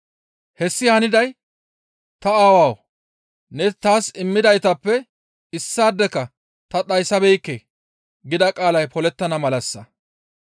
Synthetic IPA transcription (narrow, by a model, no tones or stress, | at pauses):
hɛsːɪhɐnɪd̪ɐj | t̪ɐaːwaːw | nɛt̪aːsɪmːɪd̪ɐjt̪ɐpːɛ | ɪsːaːd̪ːɛkːɐ | t̪ɐɗɐjsɐbɛjkːɛ | ɡɪd̪ɐkʼaːlɐjpʰɔlɛt̪ːɐnɐmɐlɐsːɐ